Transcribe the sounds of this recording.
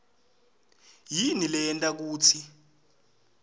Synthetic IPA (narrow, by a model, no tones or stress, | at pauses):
jinilɛɛntʼak̬uːt͡sʰi